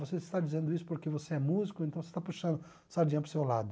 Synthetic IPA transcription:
voseist̪ad͡ʒizẽnd̪ʊisʊ̥poɾkevoseɛmuzikʊẽt̪ɐ̃w̃vse̥st̪apuʃɐ̃nd̪ʊ | saɾd͡ʒĩɲɐpɾʊsewlad̪ʊ

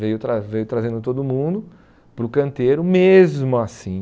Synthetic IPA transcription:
vejʊt̪ɾavejʊt̪ɾazẽnd̪ʊt̪od̪ʊmũd̪ʊ | pɾʊkɐ̃nt̪eɾʊmezmʊasĩ

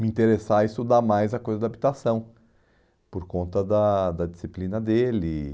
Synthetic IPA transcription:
mĩt̪eɾesaist̪ud̪amajzɐkojzɐd̪ɐabit̪asɐ̃w̃ | poɾkõnt̪ɐd̪ɐd̪ɐd͡ʒisiplĩnɐd̪elɪ

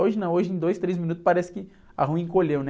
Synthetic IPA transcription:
oʒɪnɐ̃oʒɪẽj̃d̪ojst̪ɾezmʲinut̪ʊ̥spaɾɛsɪ̥kɪ | a̰ɦũĩkoʎewnɛ

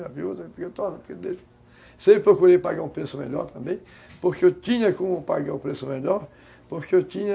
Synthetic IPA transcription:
ɐviot̪ɐ̃pɾket̪ɔd̪ɐpo̥ked̪e | sepɾokuɾepaɡaũpɾesʊmeʎɔ̰ɾt̪ɐ̃mbẽj̃ | poɾkeewt̪ĩɲɐkõmʊpaɡaũpɾesʊmeʎɔɾ | poɾkeewt̪ĩɲɐ

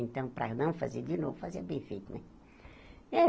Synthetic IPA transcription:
ẽnt̪ɐ̃w̃pɾɐnɐ̃w̃fazed̪ɪnovʊfaziɐbẽfejt̪nɛ̃ | ɛ

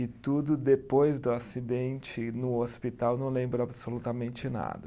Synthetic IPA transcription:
ɪt̪ud̪ʊd̪epojzd̪ʊasid̪ẽnt͡ʃɪnʊospit̪awnɐ̃w̃lẽmbɾʊabsolut̪ɐmẽnt͡ʃɪna̰d̪ɐ

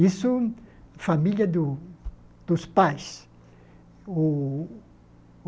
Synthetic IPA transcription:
isufamiʎjɐd̪u | d̪̥uspajs | u

